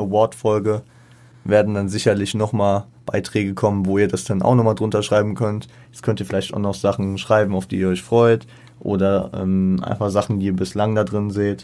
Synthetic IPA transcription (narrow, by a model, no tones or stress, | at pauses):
ʔəvɔɐtfɔlɡə | veːɐdn̩danzɪçɐlɪçnɔχmaːl | b̥aɪtʁ̥ɛːɡəkʰɔmənvoːiːɐdasd̥anʔa̰ʊxnɔχmaːldʁʊntɐʃʁ̥aɪbm̩kʰœnt | jɛt͡skʰœntiːɐfɪlaɪçtaʊxnɔχz̥aχn̩ʃʁ̥aɪbm̩aʊfd̥iːiːɐɔʏçfʁ̥ɔʏt | ʔo̰ːdɐʔɛ̰mʔa̰ɪnfaχz̥aχn̩diːɐbɪslaŋdadʁɪnzeːt